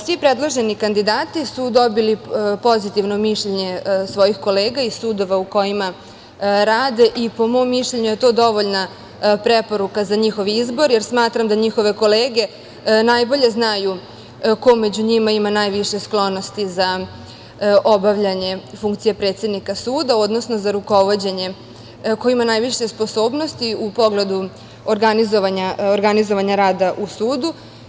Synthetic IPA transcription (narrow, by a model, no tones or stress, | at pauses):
sʋipɾed̪lˠoʒe̞nikand̪id̪aːt̪isud̪o̞bilipo̞zit̪iʋno̞miʃʎeɲe̞sʋo̞jixko̞leːɡaisuːd̪o̞ʋauko̞jima | ɾaːd̪e̞ʔipo̞mo̞mːiʃʎeɲuje̞t̪o̞ːd̪o̞ʋoʎna | pɾepo̞ɾukazaɲixo̞ʋiizbo̞ɾjeɾsmaːt̪ɾamd̪aɲixo̞ʋe̞ko̞leːɡe̞ | najbo̞ʎe̞znaju | ko̞med͡ʑuɲimaimanaːjʋiʂe̞sklo̞no̞st̪iza | ʔo̞baʋʎaɲe̞fuŋkt̪sije̞pɾe̞t̪sed̪nikasuːd̪ao̞d̪no̞sno̞zaɾuko̞ʋo̞d͡ʑe̞ɲe̞ | ko̞imanajʋiʃe̞spo̞so̞ːbno̞st̪iupo̞ɡle̞d̪u | oɾɡanizoʋaɲaoɾɡanizo̞ʋaɲaɾaːd̪aʔusuːd̪u